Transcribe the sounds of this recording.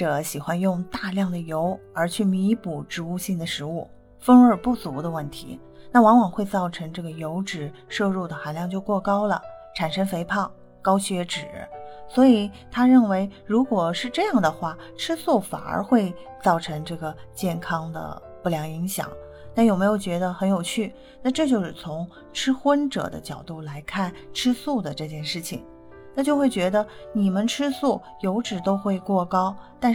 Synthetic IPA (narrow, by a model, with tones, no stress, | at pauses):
ʈ͡ʂɤ˧˩ɕi˨˩xwa˧˥njʊ˥˧ŋt̪a˥˧ljɑ˥˩ŋd̪ə˩jo˧˥ʊə˞˧˥t͡ɕʰy˥˩mi˧˥pu˨˩ʈ͡ʂɻ̩˧˥u˥˧ɕi˥˩ŋd̪ə˩ʂɻ̩˧˥u˥˩ | fə˥ŋə˞˥˧˩pu˥˩t͡su˧˥d̪ə˧wə˥˩nt̪ʰḭ˧˥ | na˥˩wɑ˧˥ŋwɑ˨˩ŋxwe˥˧ɪt͡sɑ˥˩ʊʈ͡ʂʰɤ˧˥ŋʈ͡ʂɤ˥˩ɡə˩jo˧˥ʊʈ͡ʂɻ̩˨˩ʂɤ˥˧ɻu˥˩d̪ə˩xa˧˥nljɑ˥˧ŋt͡ɕjo˥˧ʊkwɔ˥˩kɑ˥ʊlə̰˨ʈ͡ʂʰa˨˩nʂə˥ŋfe˧˥ɪpʰɑ˥˩ʊ | kɑ˥ʊɕɥɛ˧˥ʈ͡ʂɻ̩˨˩swɔ˧˥i˨˩˦t̪ʰa˥ɻə˥˩nwe˧˥ɪɻu˧˥kwɔ˨˩ʂɻ̩˥˧ʈ͡ʂɤ˥˧jɑ˥˩ŋd̪ə˩xwa˥˩ | ʈ͡ʂʰɻ̩˥su˥˩fa̰˨˩nə̰˧˥xwe˥˧ɪt͡sɑ˥˩ʊʈ͡ʂʰɤ˧˥ŋʈ͡ʂɤ˥˩ɡə˩t͡ɕjɛ˥˩nkʰɑ˥ŋd̪ə̰˧ | pu˥˩ljɑ˧˥ŋi˧˥ŋɕjɑ̰˨˩˦ŋ | na˥˩jʊme˧˥ɪjo˨˩ʊt͡ɕɥɛ˧˥d̪ə˧xə˧˥njo˨˩ʊt͡ɕʰy˥˩ | na˥˧ʈ͡ʂɤ˥˧t͡ɕjo˥˧ʊʂɻ̩˥˩t͡sʰʊ˧˥ŋ | ʈ͡ʂʰɻ̩˥xwə˥nʈ͡ʂɤ̰˨˩d̪ə̰˦t͡ɕjɑ˨˩ʊt̪u˥˩la˧˥ɪkʰa˥˩nʈ͡ʂʰɻ̩˥su˥˩d̪ə˩ʈ͡ʂɤ˥˧t͡ɕjɛ˥˧nʂɻ̩˥˩t͡ɕʰḭ˩ŋ | na˥˧t͡ɕjo˥˧ʊxwe˥˩ɪt͡ɕɥɛ˧˥d̪ə˧ni˨˩mə˦nʈ͡ʂʰɻ̩˥su˥˩ | jo˧˥ʊʈ͡ʂɻ̩˨˩t̪o˥ʊxwe˥˧ɪkwɔ˥˩kɑ˥ʊt̪a˥˧n